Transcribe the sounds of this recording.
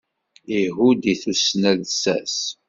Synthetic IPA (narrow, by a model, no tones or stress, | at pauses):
iɦud̪iθusnæðsæ̰s